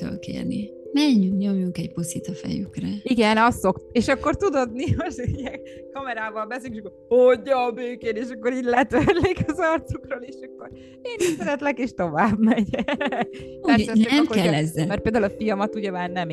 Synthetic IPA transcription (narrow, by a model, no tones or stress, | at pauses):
o̰lkḛːrnḭ | mɛɲːykɲo̞mjuŋkɛɟposit̪ɒfɛ̰jy̰krɛiɡɛnɒst̪so̞k̪eːʃɒkːo̞rt̪ud̪od̪nioijɛŋ | kɒmɛɾaːvɒlbɛseljyŋkːeʃɑkːohoɟːɒːbøːkeːneːʃɒkːoɾiːɟlɛt̪ørlikɒzɒrt̪sukroːleːʃɒkːo̞ɾ | eːniʃsɛɾɛt̪lɛkeːʃt̪o̞vaːbmɛɟɛ | purssɛnnɛmkkɛlːɛzːɛlmɛrt̪peːld̪aulɒfijɒmɒt̪uɟɛmaːrnɛm